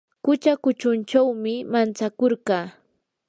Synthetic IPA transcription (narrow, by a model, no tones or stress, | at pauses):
kʊt͡ʃakʊt͡ʃʊnt͡ʃawmɪmant͡sakoɾɢɑː